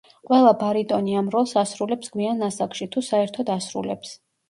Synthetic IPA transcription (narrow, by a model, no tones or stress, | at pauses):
qʼwɛlˠabaɾit̪ʼɔniamɾɔlˠsasɾulɛpsɡwianasakʃit̪ʰusaɛɾt̪ʰɔd̪asɾṵlɛps